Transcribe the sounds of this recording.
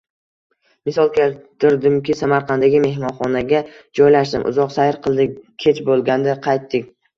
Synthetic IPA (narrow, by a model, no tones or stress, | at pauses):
mɪsɒlˠkʲʰelt̪ɪɾd̪ɪmkʲʰɪsamaɾqʰɑnd̪aɡʲɪme̞hmɒnχɒnaɡʲad͡ʒɒjlaʃd̪ɪmʔʊ̰zɒqsajɪɾqʰɨlˠd̪ɪkʲʰe̞t͡ʃbolˠɡʲand̪aqʰɑjt̪ːɪkʲ